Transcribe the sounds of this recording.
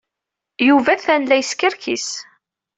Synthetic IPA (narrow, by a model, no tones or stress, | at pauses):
juvæθænlæjəskəɾkʰis